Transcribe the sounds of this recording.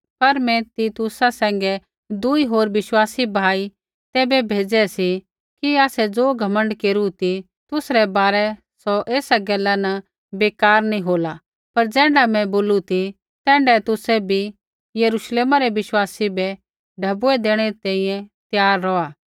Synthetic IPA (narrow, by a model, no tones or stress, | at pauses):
pɐɾmɛ̃t̪it̪ʊsasɛ̃ːŋɡɛ | d̪uiɦoːɾʋɪʃwaːsibʱaːi | t̪ɛːbɛbʱeːd͡zɛsi | kiaːsɛd͡zoːɡʱɐmə̃ɳɖkeːɾut̪i | t̪ʊsɾɛbaːɾɛ | sɔʔeːsaɡɛlːanɐ | beːkaːɾnĩɦoːla | pɐɾd͡zɛ̃ːɳɖamɛ̃boːlut̪i | t̪ɛ̃ːɳɖɛt̪ʊsɛbʱi | jɐɾuːʃleːmaɾɛʋɪʃwaːsibɛ | ɖʱɐbuɛd̪eːɽ̃ɛɾit̪ãːĩːjɛ̃t̪jaːɾːɔaː